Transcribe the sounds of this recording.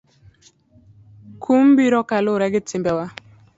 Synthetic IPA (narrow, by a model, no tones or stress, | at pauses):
kʰumbiɾɔkalʊɾɛɡɪtɪmbɛwa